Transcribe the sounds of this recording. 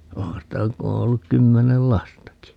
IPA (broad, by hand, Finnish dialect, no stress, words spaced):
ohɑ̃ː sitæ ku o olːuk kymːenel lɑstɑki